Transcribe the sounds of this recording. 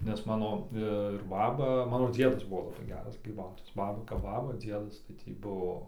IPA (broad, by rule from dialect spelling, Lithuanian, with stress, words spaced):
nʲɛs ˈmɑːnoː ɪr ˈbɑːbɐ ˈmɑːnoː ˈd͡zʲiɛdɐs ˈbʊʋoː lˠɐˈbɐɪ ˈɡʲæːrɐs ɡrʲiːˈbɐʊtoːjɛs ˈbɑːbɐ kɐp ˈbɑːbɐ ˈd͡zʲiɛdɐs tɐɪ ˈtʲiː ˈbʊʋoː